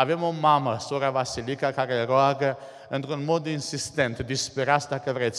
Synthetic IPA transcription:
avemʊmamasoɾavasilikakaɾeɾoaɡə | ent̪ɾunmɔd̪iinsist̪ɛnt̪ed̪ispeɾasd̪akevɾɛt̪s

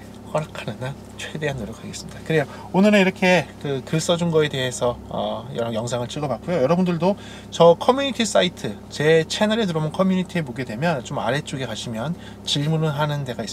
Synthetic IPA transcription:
kʌɾakʰanɯna | t͡ɕʰwe̞de̞ɦanːoɾjʌkʰaɡe̞s͈ɯmɲid̥akɯɾe̞jo | onɯɾɯniɾʌkʰe̞kɯkɯs͈ʌd͡ʑunɡʌe̞de̞ɦe̞sʰʌʌjʌjʌŋsʰaŋɯɭt͡ɕʰɯɡʌbak͈ujojʌɾʌbundɯɭdo | t͡ɕʌkʰʌmjuɲitʰis͈aitʰɯt͡ɕe̞t͡ɕʰenʌɾetɯɾʌmɯnkʰʌmjuɲitʰiemoɡe̞dwe̞mjʌnt͡ɕoma̰ɾe̞t͡ɕ͈oɡe̞kaɕʰimjʌn | t͡ɕiɭmunɯnɦanɯnde̞ɡais͈

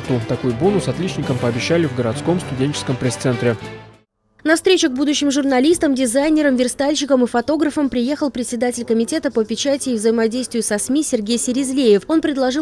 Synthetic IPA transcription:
t̪ut̪ɐkujʊbo̞nʊsɐt̪lʲit͡ɕnʲɪkəmpəɐbʲɪɕːælʲɪvɡəɾɐt̪sko̞mst̪ʊdʲenʲt͡ɕɪ̥skəmpɾʲɪst̪sɛnt̪ɾʲɪ | nɐfst̪ɾʲet͡ɕɪɡbud̪ʊɕːɪmʐʊrnɐlʲist̪əmdʲɪzajnʲɪɾəmvʲɪrst̪alʲɕɪkəmɨfɐt̪o̞ɡɾəfəmpɾʲɪje̞xəlˠpɾʲɪt̪ʲsʲɪd̪atʲɪlʲkəmʲɪtʲe̞t̪əpəpʲɪt͡ɕætʲɪːvzəjɪmɐdʲejst̪vʲɪjʊsɐsmʲisʲɪrɡʲejsʲɪɾʲɪzlʲejɪfo̞npɾʲɪd̪lˠɐʐɨ

